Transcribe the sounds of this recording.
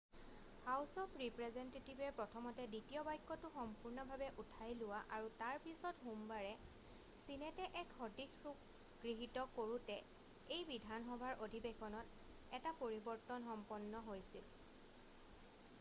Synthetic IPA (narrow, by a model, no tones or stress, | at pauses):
hawsɔpʰɹipɹɛzɛntetibɛpɹɔtʰɔmɔtɛditijɔbajkːɔtʊxɔmpuɹnɔbʱabɛʔutʰajlʊwaʔaɹutaɹpisɔtɦombaɹɛ | sinɛtɛʔɛkxɔdikɹuk | ɡɹiɦitɔkoɹutɛ | ejbidʱanxɔbʱaɹʔodʱibexɔnɔt | ɛtapoɹibɔɹtɔnxɔmpɔnːɔɦojsil